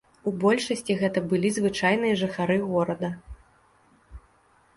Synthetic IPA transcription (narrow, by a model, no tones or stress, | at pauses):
ubɔlʲʂɐsʲt͡sʲiɣɛt̪ɐbɨlʲizvɨt͡ʂajn̪ɨjɐʐɨxaɾɨɣɔɾɐd̪ɐ